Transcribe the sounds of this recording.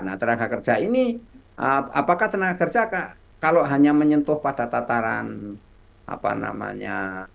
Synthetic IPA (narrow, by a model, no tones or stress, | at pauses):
naht̪ənaɡakər̥d͡ʒ̥aini | ʔəa̰pakaht̪ənaɡakər̥d͡ʒaka | kaloɦaɲaməɲənt̪ʊhpad̥at̪at̪aɾa̰n | ʔa̰pa̰na̰ma̰ɲa